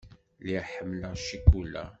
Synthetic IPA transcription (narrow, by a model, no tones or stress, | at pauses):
liħəmːləʃikulæ̰